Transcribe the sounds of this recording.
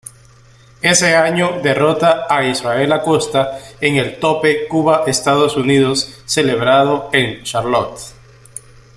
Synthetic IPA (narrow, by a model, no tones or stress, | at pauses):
e̞se̞aɲoðe̞ro̞t̪aːisrae̞lako̞st̪aeŋelt̪o̞pe̞kuβaʔest̪að̞osuniðo̞sːe̞le̞βɾaðoenʃaɾlot̪